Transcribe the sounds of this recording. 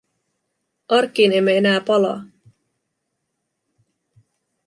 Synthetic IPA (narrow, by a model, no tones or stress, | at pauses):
ʔɑrkːiːne̞mːeenæːpɑlɑ̰ː